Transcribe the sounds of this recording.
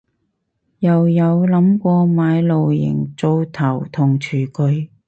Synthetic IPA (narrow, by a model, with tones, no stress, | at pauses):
jɐ˨˩wjɐ˨˧wlɐ˨˥mkʷɔː˧maː˨˧jlo˨wjɪ̰˨˩ŋt͡so˧wt̪ʰɐ˨˩wt̪ʰʊ˨˩ŋt͡ʃʰyː˨˩kɵ˨˧ɥ